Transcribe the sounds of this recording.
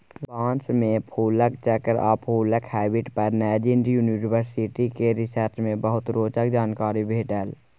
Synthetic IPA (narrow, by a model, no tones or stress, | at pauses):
bãːnt͡ʃmẽpʰuːləkt͡ʃɛːkəɾa̰pʰuːləkhɛːbɪʈpəɾnɛːd͡ʒɪɳɖjuːninɪwəɾsɪʈikeɾɪsəɾʈmẽbəɦʊt̪ɾoːt͡ʃək̚d͡ʒaːnkaːɾibʱeːʈəl